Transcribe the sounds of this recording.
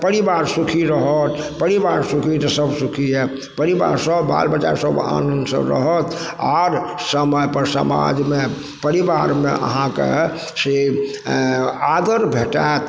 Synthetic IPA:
pəɾibaɾsukʰiɾəɦət̪ | pəɾibaɾsukʰit̪əsəbsukʰiɦɛ | pəɾiba̰ɾsəbːa̰lbət͡ʃa̰ɾsəba̰nənsə̰ɾə̰ɦət̪ | aɾsəməjpəɾsə̰ma̰d͡ʒme | pəɾibaɾmḛʔə̰ɦãkḛ | se | ad̪əɾbʱeʈat̪

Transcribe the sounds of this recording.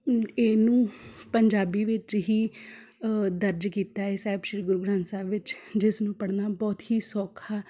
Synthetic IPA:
eːnũːpəɲd͡ʒaːbiːʋɪt͡ʃɦiː | d̪əɾd͡ʒkiːt̪aːɛːsɛːɪbʃɪiɡʊɾɡɾãːnsaːʋɪt͡ʃd͡ʒɪsnũːpəɽnaːbɔːt̪ɦiːsɔːkʰaː

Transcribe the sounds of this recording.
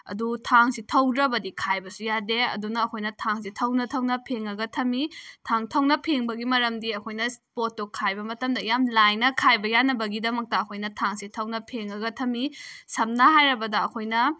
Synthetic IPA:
ɐ̰dutʰaŋsitʰɐwdɾɐbɐdikʰajbɐsujadeɐ̰dunɐːkʰojnɐtʰaŋsitʰɐwnɐtʰɐwnɐpʰeŋɐɡɐtʰɐmitʰaŋtʰɐwnɐpʰeŋbɐɡimɐɾɐmdiɐkʰojnɐspotːukʰːajbɐmɐtɐmdɐjamlajnɐkʰajbɐjanːɐbɐɡidɐmɐk̚tɐːkʰojnɐtʰaŋsitʰɐwnɐpʰeŋɐɡɐtʰɐmisɐmnɐɦajɾɐbɐdɐːkʰojnɐ

